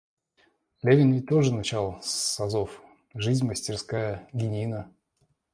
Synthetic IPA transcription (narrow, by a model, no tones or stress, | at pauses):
lʲevʲɪnvʲɪt̪o̞ʐɨnɐt͡ɕalˠsːɐzof | ʐɨzʲməsʲtʲɪrskajəɡʲɪnʲinə